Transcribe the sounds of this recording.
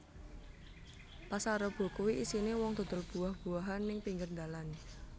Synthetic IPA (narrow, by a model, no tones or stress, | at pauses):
pasaɾɔb̥o̤kuwiʔisinewɔŋd̪o̤t̪ərb̥ṳahb̥ṳaɦanːɪŋpiŋɡərnd̪alan